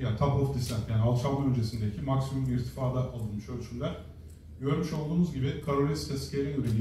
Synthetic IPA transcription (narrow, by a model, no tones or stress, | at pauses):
jaːt̪ʰabofd̪ist̪ænjaːnialˠt͡ʃʰalˠmaønd͡ʒʰe̞sind̪ecʰimaksimumbʲiɾist̪ʰi̥faːd̪ɛʔalˠɯnmɯʃølʲt͡ʃʰylʲlʲæɾ̥ | ɟø̞ɾmyʃo̞lˠd̪uːnuzɟibɪkʰaɾoɾʲist̪ʰɛscʰeɾɛyɾelʲ